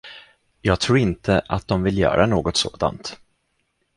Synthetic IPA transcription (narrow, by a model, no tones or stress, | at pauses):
jɑːɡ̚t̪ʰɾuːɾɪnt̪ʰəʔat̪̚d̪ɔmvɪljœ̰ːɾanoːɡɔt̪so̰ːd̪a̰nt̪